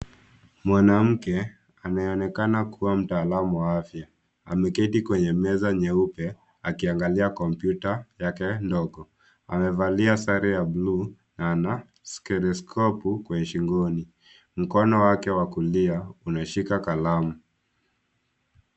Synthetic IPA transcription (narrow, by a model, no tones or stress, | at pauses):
mwanam̩kɛ | anaɛɔnɛkanakʰuwam̩taːlamuwaafja | amɛkɛtikwɛɲɛmɛzaɲɛupɛ | akiaŋɡaliakɔmpjutajakɛndɔɡɔ | a̰mɛvaliasaɾɛjabluː | naːna | skɛɾɛskʰɔpukwɛɲɛʃiŋɡɔni | m̩kɔnɔwakɛwakuliaunaʃikakalamu